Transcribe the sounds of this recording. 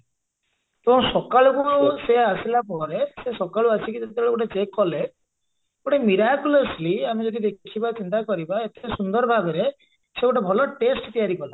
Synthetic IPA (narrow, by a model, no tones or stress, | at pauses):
t̪oãw̃sɔkaɭukuseasilapɔɾesesɔkaɭuat͡ʃʰikid͡ʒet̪ebɭoɡoʈet͡ʃekːɔle | ɡoʈemiɾakjulɔsliamed͡ʒɔd̪id̪ekkʰibat͡ʃint̪akɔɾibaet̪ʰesund̪ɔɾbʱabeɾe | seɡoʈebʱɔlɔʈesʈt̪ijaɾikɔla